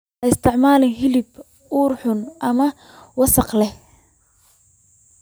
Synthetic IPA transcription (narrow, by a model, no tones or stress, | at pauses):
ɐɪst̪ʰɪʕmaːlɛnɦɪlɪb | uːrħʊnʔɐmɐ | wɑsɑqlɛh